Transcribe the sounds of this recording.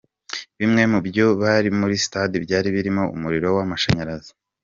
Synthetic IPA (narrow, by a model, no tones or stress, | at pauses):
βimŋe̞mubjo̞βaɾimuɾisi̥tadibjaːɾiβiɾimo̞ṵmuɾiɾo̞wamaʃaɲaɾazi̥